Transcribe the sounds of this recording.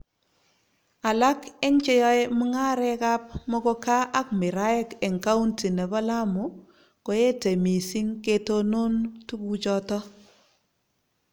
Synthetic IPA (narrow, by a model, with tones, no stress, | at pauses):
a˨la˦kɛ˦ŋt͡ʃe˦jɔ˦e˦mu˦ŋa˦ɾɛ˦ka˦p̚mɔ˦kɔ˦ka˦ʔa˦kmɪ˨ɾa˦ɛ˦kɛ˨ŋka˦u˦nti˨ne˨bɔ˦la˦mu˨ | ko˨je˦te˨mi˨si˦ŋke˦to˦no˦ntu˦ku˦t͡ʃɔ˦tɔ˦